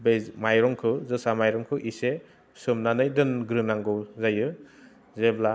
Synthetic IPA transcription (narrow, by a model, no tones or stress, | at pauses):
bezmajɾɔŋkʰɯzɯsamajɾɔmkʰɯʔise | sɯmnanɯjdɯnɡɾɯnaŋɡɯwzajɯ | zebla